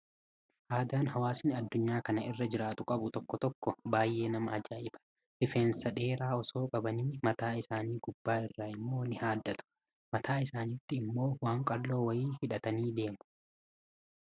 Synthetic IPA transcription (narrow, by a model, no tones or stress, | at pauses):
ʔaːd̪aːnɦɐwaːsnɪɐd̪ːʊɲːaːkɐnɐʔɪrːɐd͡ʒɪɾaːt̪ʊkʼɐbʊt̪ɔkːɔt̪ɔkːɔbaːjːe̞ːnɐmɐʔɐd͡ʒaːʔɪbɐ̥ | ʔɪfeːnsɐᶑe̞ːɾaːɔso̞ːkʼɐbɐniːmɐt̪aːɪsaːniːɡʊbːaːɪrːaːɪmːo̞ːnɪhaːd̪ːɐt̪ʊ̥ | mɐt̪ʰaːɪsaːniːt̪ːɪːmːo̞ːwaːŋkʼɐlːo̞ːwɐjiːhɪᶑɐt̪ɐniːd̪e̞ːmʊ̥